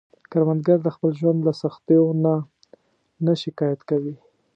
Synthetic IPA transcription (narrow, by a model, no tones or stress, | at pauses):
kaɾmand̪ɡaɾd̪əxpəlʒwand̪lasaxt̪ejona | naʃɪkɑjat̪kawi